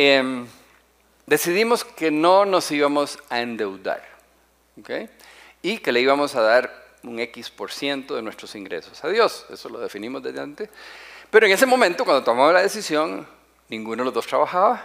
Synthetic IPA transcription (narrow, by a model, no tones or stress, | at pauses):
em | d̪e̞siðimo̞ske̞nono̞siβamosaend̪e̞wd̪a̰ɾ | okḛj | ike̞le̞iβamo̞saðaɾ | uŋekispo̞ɾsje̞nt̪oðe̞nwe̞st̪ɾosiŋɡɾe̞̰so̞saðjo̞se̞̰solo̞ðe̞finimozðeðeant̪epeɾoeŋe̞se̞mo̞mẽnt̪okwand̪ot̪omaβalaðe̞sisjo̞ŋ | nĩŋɡunoðelozðost̪ɾaβaxaβa